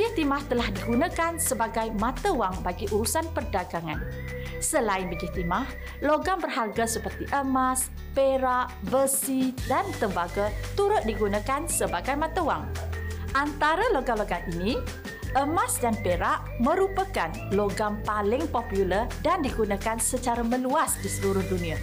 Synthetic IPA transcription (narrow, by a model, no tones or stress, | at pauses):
it̪imaht̪əlahdiɡunãkansəbaɡajmãt̪əwaŋbaɡiʔuɾusanpərdaɡaŋan | səlaɪnbəɡit̪imah | loɡambərɦarɡasəpərt̪iʔəmas | peɾaʔbəsidant̪əmbaɡat̪uɾʊt̪̚diɡunakansəbaɡajmãt̪əwaŋʔant̪aɾəloɡaloɡaŋini | ʔəmasdanpeɾaʔ | mə̃ɾupəkanloɡampalɪŋpopjulərdandiɡunakansət͡ʃaɾamə̃luasdisəluɾʊhdunĩa